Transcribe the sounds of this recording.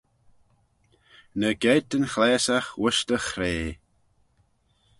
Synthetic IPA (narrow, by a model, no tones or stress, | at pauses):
nəɡɛt̪ənxlɛːsaxwʊʃt̪əxɾeː